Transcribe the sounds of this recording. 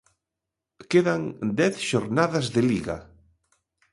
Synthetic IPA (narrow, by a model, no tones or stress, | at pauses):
keðaŋd̪ɛθʃoɾnaðazðeliɣa̰